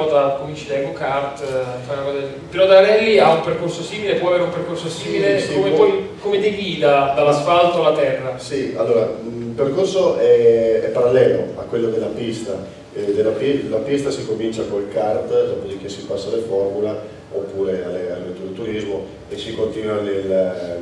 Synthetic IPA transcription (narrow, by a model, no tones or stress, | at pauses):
ɔt̪akomint͡ʃid̪ɛɡokart̪faɾenakɔza | peɾɔd̪aɾɛlːiaumperkorsosiːmilepwɔaveːɾeumperkorsosiːmilesiomepɔjkomed̪eɡiːlad̪alːasfalt̪oalːat̪ɛrːasialːoːɾailperkorsoʔɛɛpːaɾalːɛːloa̰kwelːod̪elːapist̪a | ed̪elːapilapist̪asikomint͡ʃakolkart̪d̪ɔpod̪ik̟esːipasːalefɔrmule | opːuːɾea̰lːealet̪ud̪elt̪uɾizmo | esikont̪iːnwanel